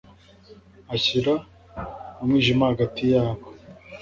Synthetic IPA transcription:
açiɾa | omŋiːʒimahaɡatijaːβo

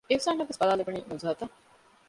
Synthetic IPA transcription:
eʋsaːnːɐʋesbɐlaːlebuniːnuzuɦɐt̪ɐ

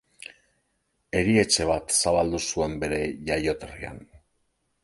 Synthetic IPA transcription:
e̞ɾie̞t͡ʃe̞β̞at̪saβald̪usue̞mbe̞ɾe̞ʝajo̞t̪eria̰n

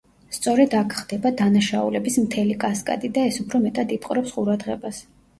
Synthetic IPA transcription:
st̪sʼɔɾɛd̪akʰχd̪ɛbad̪anaʃaṵlɛbismt̪ʰɛlikʼaskʼa̰d̪id̪aɛsupʰɾɔmɛt̪ʼad̪ip̪ʼqʼɾɛpsqʼuɾad̪ʁɛbas

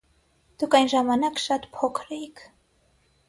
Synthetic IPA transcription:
d̪̥ukʰɑjnʒɑmɑnɑkʃɑt̪pʰɔkʰɾɛikʰ

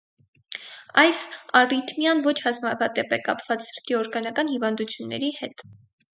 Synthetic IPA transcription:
ɑjsɑrit̪ʰmjɑnvɔt͡ʃʰhɑzmɑvɑt̪ɛpɛkɑpvɑt͡ssəɾt̪iɔɾɡɑnɑkɑnhivɑnd̪ut͡sʰjunːɛ̰ɾihɛt̪

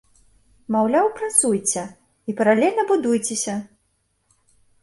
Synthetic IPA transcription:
mawlʲawpɾat̪sujt͡sʲɛ | ipɐɾalʲɛlʲnɐbud̪ujt͡sʲɛsʲɐ

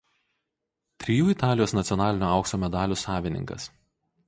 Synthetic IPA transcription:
t̪ʲɾʲɪjuːɪt̪ɑːlʲɪjoːsnɐt̪sʲɪɔnɑːlʲɪnʲoːɐʊksoːmʲɛd̪ɑːlʲuːsɑːʋʲɪnʲɪ̰ŋkɐ̰s

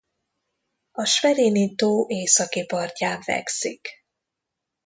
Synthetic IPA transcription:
ɒʃʋɛɾeːnit̪oːʔeːsɒkipɒrcaːɱvɛ̰ksik

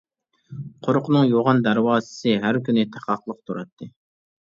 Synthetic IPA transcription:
qʰoɾʊqʰnɨŋjoʁɑnd̪æɾwɑːzɨ̥sɨɦæɾkʲynɪt̪ʰæqʰɑχlˠəq̚t̪ʰuɾɑt̪ʰːɨ

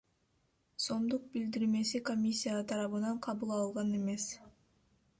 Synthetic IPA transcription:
so̞md̪uq̚bild̪iɾme̞siko̞mʲisʲːijat̪ʰɑɾɑβɯnɑɴqʰɑβulˠɑlˠʁɑne̞me̞s

